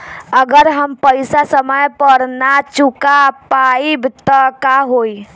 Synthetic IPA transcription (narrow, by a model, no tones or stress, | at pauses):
əɡəɾɦəmpəjsasəməjpəɾnat͡ʃukapaibt̪ɔkaɦoj